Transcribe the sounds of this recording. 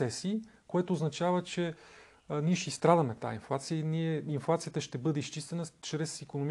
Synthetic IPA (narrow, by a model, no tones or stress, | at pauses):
ɛsikoɛt̪oːznɐt͡ʃavət͡ʃɛ | niɛʃist̪ɾad̪əmɛt̪a̰inflˠat̪sijəiniɛinflˠat̪sijət̪əʃt̪ɛbɤd̪ɛist͡ʃist̪ɛnət͡ʃɾɛsikonom